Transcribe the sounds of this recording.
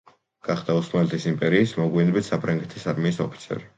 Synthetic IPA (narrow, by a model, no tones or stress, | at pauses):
ɡ̥aχd̪ausmalɛt̪ʰisimpʼɛɾiːsmɔɡwinbit̪sapʰɾaŋɡɛt̪ʰisaɾmiːsɔpʰi̥t̪sʰɛ̰ɾi